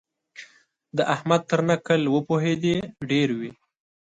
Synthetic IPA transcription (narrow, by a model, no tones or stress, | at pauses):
d̪əʔahmad̪̚t̪əɾnakəlwəpoɦed̪eɖeɾwi